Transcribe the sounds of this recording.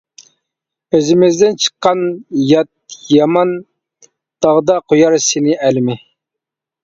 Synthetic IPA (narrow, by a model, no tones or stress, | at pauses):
øzɪmɪzd̪ɪnt͡ʃʰə̥qːɑnjɑt̪̚jɑmɑn | d̪̥ɑʁd̪ɑqʰojɑɾsɪnɪʔɛlmɪ